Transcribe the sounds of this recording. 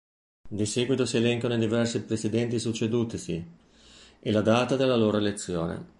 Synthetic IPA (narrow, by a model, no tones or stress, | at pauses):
d̪isɛːɡwit̪osielɛŋkonoid̪ivɛrsipɾesid̪ɛnt̪isut͡ʃːed̪uːt̪isi | ʔelad̪aːt̪ad̪elːaloːɾoelet̪sːjoːnḛ